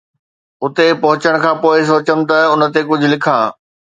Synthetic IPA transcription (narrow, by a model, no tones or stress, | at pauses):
ʊt̪epɐɦʊt͡ɕəɽ̃kʰãːpoːɪs̬oːt͡ɕəm̆t̪ɐʊnə̆t̪ekʊd͡ʑʱʊ̆lɪkʰãː